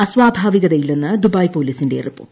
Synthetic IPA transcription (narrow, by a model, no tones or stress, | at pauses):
ɐsʋaːbʱaːʋiɣɐðɐjilːenːɨd̪ubaːjpoːliːsinde̞̰ripːṵ